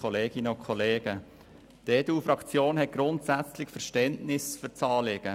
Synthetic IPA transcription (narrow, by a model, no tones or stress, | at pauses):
ɔleːɡ̥ɪnəʊnkʰχɔleːɡ̥ə | teːduːfɾɑkt͡sjoːnɦɛt̚ɡ̥ɾʊntsæt͡slɪçfəɾʃtɛntnɪsfyɾt͡sɑːlɪɡ̥ə